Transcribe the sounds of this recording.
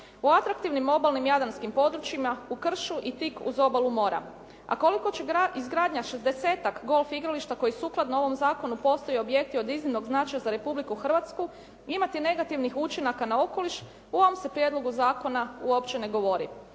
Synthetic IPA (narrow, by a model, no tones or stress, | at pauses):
uat̪ɾak̚t̪iʋnimːo̞balnimjad̪anskimpo̞d̪ɾut͡ʃimaukr̩ʃuʔit̪ikṵzo̞balˠumo̞ːɾa̰ | a̰ko̞liko̞t͡ɕeɡizɡɾaːd̪ɲaʃezd̪e̞se̞ːt̪akɡo̞lˠfiɡɾaliʃt̪ako̞jisuːklˠad̪no̞ʋo̞mzaːko̞nupo̞st̪ojeo̞bje̞k̚t̪io̞d̪iznimno̞ɡznat͡ʃajazaɾe̞publikuxr̩ʋat̪sku | imat̪ine̞ɡat̪iʋnixut͡ʃinakanao̞ko̞liʃ | uo̞ʋomse̞pɾje̞d̪lˠo̞ɡuzaːko̞nauo̞pt͡ʃene̞ɡo̞ʋo̞ɾḭ